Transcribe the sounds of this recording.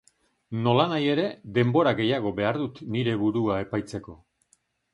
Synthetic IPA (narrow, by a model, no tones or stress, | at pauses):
no̞lanaje̞ɾe̞d̪e̞mbo̞ɾaɣe̞jaɣ̞o̞be̞aɾðut̪niɾe̞βuɾuae̞pajt͡se̞ko̞